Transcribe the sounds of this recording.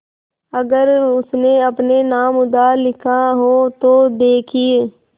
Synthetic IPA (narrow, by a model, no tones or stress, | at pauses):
əɡəɾʊsneəpnenaːmʊd̪aːlɪkʰaɦoːt̪oːd̪eːkʰie